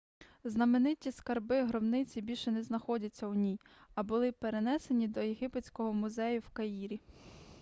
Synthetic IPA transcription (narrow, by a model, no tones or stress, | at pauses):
znɐmenɪtʲiskɐrbɪɦɾɔbnɪt͡sʲibʲilʲʃɛnɛznɐxɔdʲɐt͡sʲːɐʊnʲijɐbʊlˠɪpeɾe̞nɛsenʲid̪ɔjeɦɪpet͡sʲkɔɦɔmʊzɛjʊwkɐjiɾʲi